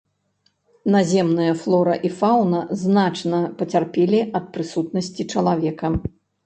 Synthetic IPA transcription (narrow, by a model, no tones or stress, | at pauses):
nazʲɛmnɨjɐflˠɔɾɐʔifawnɐznat͡ʂnɐpɐt͡sʲarpʲɛlʲiɐt̪̚pɾɨsut̪nɐsʲt͡sʲit͡ʂɐlˠavʲɛkɐ